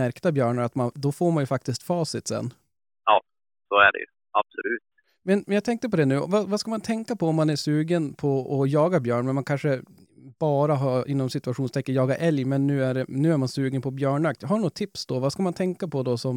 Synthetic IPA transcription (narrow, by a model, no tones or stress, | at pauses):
æɾkt̪abjœːɳəɾat̪mand̪ɔfoːɾmanjɵfak̚t̪ɪst̪fɑːsɪt̪sɛ̰nː | ʔɑː | soæ̰ɖɛ̰jɵ̰ | ab̥sɔlʉ̟ːt̪ | mɛnmɛnjɑːt̪ʰɛŋk̚t̪əp̬ɔd̪ɛnʉ̟ːɔ̰vavaskamant̪ʰɛŋkːapʰɔɔmːanæʂʉːɡənpʰɔɔjɑːɡabjœːɳmɛnmankʰanʂə | b̥ɑːɾaɦaɾɪnːɔmsɪt̪ɵaɧuːnst̪ʰɛkːənjɑːɡaʔɛljmɛnːʉ̟ːæɖɛnʉ̟ːæɾmansʉ̟ːɡənpʰɔbjœːɳak̚t̪ɦanuːt̪ʰɪpsd̪ɔvaskamant̪ʰɛŋkapʰɔd̪ɔsɔm